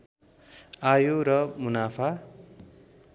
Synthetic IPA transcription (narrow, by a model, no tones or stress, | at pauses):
ajoɾʌmunapʰa